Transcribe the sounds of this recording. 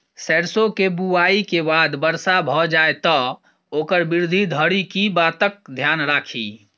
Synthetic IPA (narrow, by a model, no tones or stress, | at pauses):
sɛɾsokebuaikebad̪bəɾsabʱɔd͡ʒaet̪ɔ | okəɾbiɾd̪ʱid̪ʱəɽikibat̪ək̚d̪ʱjanɾakʰḭ